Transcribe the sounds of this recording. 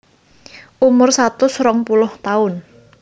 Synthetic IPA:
ʔumʊrsat̪ʊsrɔŋpulʊht̪aʊn

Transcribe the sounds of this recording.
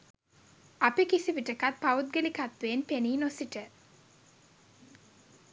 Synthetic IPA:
apikisiʋiʈəkat̪̚paut̪̚ɡelikat̪ʋeːnpeniːnosiʈə

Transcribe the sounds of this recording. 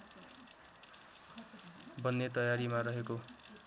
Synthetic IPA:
bʌnːet̪ʌjaɾimaɾʌɦeko

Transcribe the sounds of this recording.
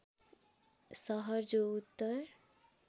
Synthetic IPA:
sʌɦʌɾd͡ʒout̪ːʌɾ

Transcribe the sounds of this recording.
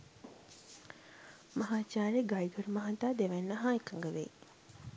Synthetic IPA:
mɐɦaːt͡ʃaːɾeɡajiɡ̪uɾəmaɦat̪aːd̪eʋɛnːəɦaːikaŋɡəʋḛ

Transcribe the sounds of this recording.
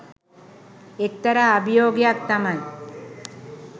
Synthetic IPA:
ek̚t̪ɐɾaːbʱijoːɡjak̚t̪ɐmɐn

